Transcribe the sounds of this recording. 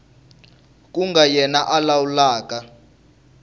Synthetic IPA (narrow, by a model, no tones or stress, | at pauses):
k̬ʼuŋɡajɛnaʔalawulaːk̬ʼa